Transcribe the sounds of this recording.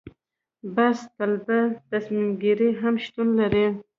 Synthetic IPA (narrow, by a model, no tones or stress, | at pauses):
bast̪albat̪asmimɡiɾiɦamʃt̪unlaɾi